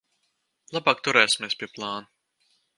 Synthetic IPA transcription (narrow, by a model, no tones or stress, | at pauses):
lˠabɑːkt̪uɾɛːsʲi̥mʲeːspʲiɛplˠɑːnu